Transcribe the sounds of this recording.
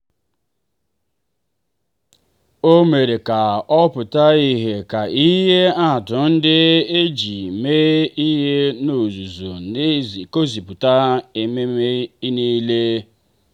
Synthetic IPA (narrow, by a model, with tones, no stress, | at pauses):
o˦me˨ɾe˨ka˨ɔ˦pʊ˨ta˦i˦ɦe˨ka˨i˦ɦe˦a˦˨tʊ˨n̩˦dɪ˦e˦d͡ʒi˨me˦i˦ɦe˦no˨zu˨zu˨ | ko˦zi˨pʊ˨ta˦e˨me˦e˦i˦ni˦le˦